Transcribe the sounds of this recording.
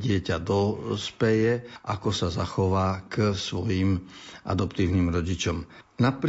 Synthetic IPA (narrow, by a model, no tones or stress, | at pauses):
ɟɪɛcad̪ɔspɛjɛʔakɔsazaxɔʋaːksʋɔjimʔa̰d̪ɔpt̪iːʊniːmɾɔɟit͡ʃɔmnapɾ